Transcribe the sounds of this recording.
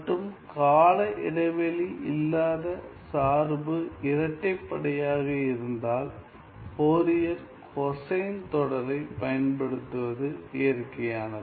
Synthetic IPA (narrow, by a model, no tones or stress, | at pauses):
mʈːɯmkaːlɐʔɪɽɐɪʋɐliʔɪ̰lːaːðɐsaːɾbɯɪɾɐʈːɐɪpːɐɽɐjaːɣɐɪɾɯnd̪aːl | poːɾɪjɐɾ | kʰɔsɐjnt̪ɔɽɐɾɐɪpɐjɐnpɐɽɯt̪ːɯʋɐðɯɪjɐɾkɐjaːnɐ